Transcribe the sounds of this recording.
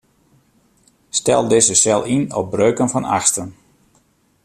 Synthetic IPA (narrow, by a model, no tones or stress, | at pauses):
stɛ̰lˠdɪzəsɛlˠinɔp̚brøːkənfɔna̰xstən